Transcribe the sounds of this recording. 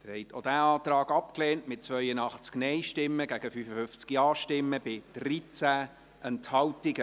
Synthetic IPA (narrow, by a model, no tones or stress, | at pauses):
d̥ɪɾhɛɪtʰod̥æɑːt̪rɑːɡɑp̚kleːntmɪt̚t͡svœʏənɑχt͡sknɛɪʃtɪmːəɡæɡ̥əfyfəfʏft͡skiɑːʃtɪmːəb̥ɪd̥rit͡sæ | ʔɛnthɑwtɪɡə